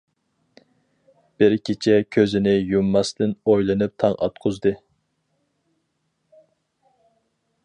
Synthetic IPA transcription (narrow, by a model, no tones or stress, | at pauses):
b̥ɪɾkʲʰit͡ʃʰɛkʲʰøzɪnɪjumːɑsd̪ɪnojlˠɨnɨp̚t̪ʰɑŋʔɑ̰t̪qʰʊzd̪ɨ